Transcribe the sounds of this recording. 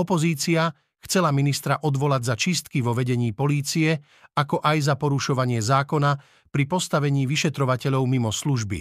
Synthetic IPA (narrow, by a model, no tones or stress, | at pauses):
ɔpɔziːt͡sia | xt͡sɛlaminist̪ɾaʔɔd̪ʋɔlaɟzat͡ʃist̪kiʋɔʋɛɟɛɲiːpɔliːt͡siɛ | akɔʔajzapɔɾuʃɔʋaɲɪɛzaːkɔna | pɾipɔst̪aʋɛɲiːʋiʃɛt̪ɾɔʋacɛʎɔʊmimɔsluʒbḭ